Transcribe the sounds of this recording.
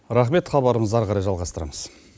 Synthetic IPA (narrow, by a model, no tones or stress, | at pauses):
ɾɑχme̞t̪χɑbɑɾəməzɑɾʁɑɾɑjʒɑlˠʁɑst̪əɾɑ̰məz̥